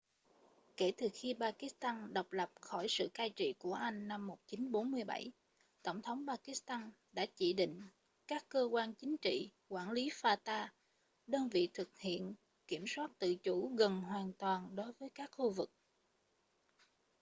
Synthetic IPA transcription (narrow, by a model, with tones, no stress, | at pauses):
ke˧˩t̪ɨ˨˩xi˧ɓaː˧ki˦˥st̪aː˧nɗə˨˩wk͡p̚lə˨˩p̚xɔ˧˩jsɨ̰˧˨kaː˧jt͡ɕḭ˧˨ku˧˩əʔa˧jŋ̟ːa˧mːo˨˩t̚t͡ɕi˨˦nɓo˨˦nmɨ˧əjɓa̰˧˩j | t̪ə˧˩wŋ͡mt̪ʰə˨˦wŋ͡mpaː˧ki˧˦˥st̪aː˧n | ɗa̰ː˧˥t͡ɕḭ˧˩ɗḭ̈˧˨ŋ̟ | kaː˦˥kːəː˧kwaː˧nt͡ɕï˨˦ŋ̟t͡ɕḭ˧˨kwaː˧˩nli˨˦faː˧t̪aː˧ | ɗəː˧nvḭ˧˨t̪ʰɨ˨˩k̚hḭ˧˨ən | ki˧˩əmswaː˦˥t̚t̪ɨ̰˧˨t͡ɕu˧˩ɣə˨˩nɦwaː˨˩nt̪waː˨˩nɗo˨˦jvəː˨˦jkaː˦˥k̚xu˧vɨ˨˩k̚